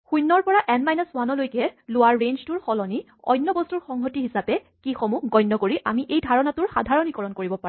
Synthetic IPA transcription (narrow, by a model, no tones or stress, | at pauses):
xujnːɔɹpɔɹaʔɛnmajnɔswanɔlojkɛlʊwaɹːenztuɹxɔlɔni | ɔ̰jnːɔbɔstuɹxɔŋɦotiɦisapɛ | kixomuɡɔjnːɔkoɹiʔamiʔejdʱaɹɔnatʊɹxadʱaɹɔnikɔɹɔnkoɹibɔpa